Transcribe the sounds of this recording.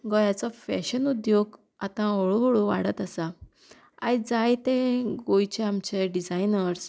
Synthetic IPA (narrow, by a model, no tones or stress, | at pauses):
ɡɔjat͡sɔfɛ̰ɕənud̪joɡ | at̪ãɦoɭoɦoɭoʋa̰ɽət̪əsa | ad͡zajt̪ẽɡojt͡ɕeamt͡ɕeɖid͡zajnəɾs